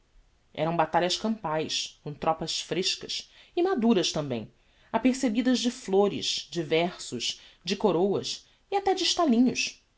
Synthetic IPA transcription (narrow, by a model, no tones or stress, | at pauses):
ɛ̰ɾɐ̃w̃bat̪aʎɐʃkɐ̃mpajskõw̃t̪ɾɔpɐʃfɾeʃkɐsɪmad̪uɾɐʃt̪ɐ̃mbẽj̃ | apeχsebid̪ɐzd͡ʒɪfloɾɪ̰ʃd͡ʒivɛχsʊʃd͡ʒɪkoɾowɐs | iat̪ɛd͡ʒɪːʃt̪alĩɲʊʃ